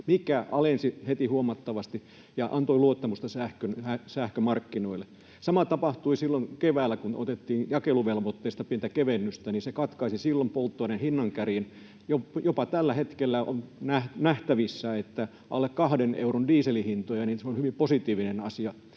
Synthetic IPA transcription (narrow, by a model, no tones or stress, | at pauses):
mikæʔɑlensihet̪ihuomɑt̪ːɑʋɑst̪i | jɑʔɑnt̪oiluot̪ːɑmust̪ɑsæhkønhæsæhkømɑrkːinoilːˑe | sɑmɑt̪ɑpɑht̪uisilːoŋkeʋæːlːˑækuno̰t̪et̪ːiːnjɑkeluʋelʋot̪ːeist̪ɑpient̪ækeʋenːyst̪æninsekɑt̪kɑisisilːompolt̪ːoinenhinːɑŋkærjen | jojopɑt̪ælːæhet̪kelːæo̰nnæhnæht̪æʋisːæet̪ːæ | ɑlːekkɑhdenḛurondiːselihint̪ojɑniːnseolhyʋimposit̪iːʋinenɑsiɑ